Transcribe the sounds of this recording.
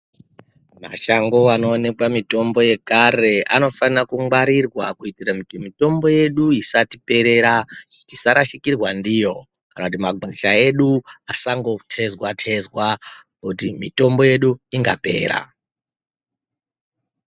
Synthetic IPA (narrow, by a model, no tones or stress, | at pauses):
ma̰ʃaŋɡo̞ano̞ːne̞kwamito̞mbo̞je̞kaɾe̞ʔa̰no̞fanakuŋwaɾirwakuitirakutimito̞mbo̞je̞ɗuisatipe̞ɾe̞ɾa | t͡ʃisaɾaʃikirwandijo̞ | kanakut̬imaɡʱeʃae̞ɗuasaŋɡo̞tʰe̞zwatʰe̞zwa | kutimito̞mbo̞je̞ɗuiŋɡa̰pe̞̰ːɾa̰